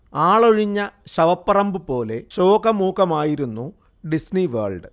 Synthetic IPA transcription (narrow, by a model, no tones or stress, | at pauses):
aːɭoɻiɲːɐɕɐʋɐpːɐrɐmbɨpo̞ːle̞ɕoːɡɐmuːkɐmaːjiɾunːu | ɖisniʋɐːrɭɖɨ